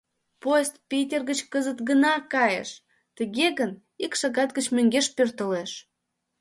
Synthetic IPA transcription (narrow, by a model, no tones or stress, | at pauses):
post̪pitʲerɣət͡ɕkəzət̪ɡənɑkɑjə̰ʃ | t̪əɣeɣən | ikʃɑɣɑt̪ɡət͡ɕmøŋɡeʃpørt̪əleʃ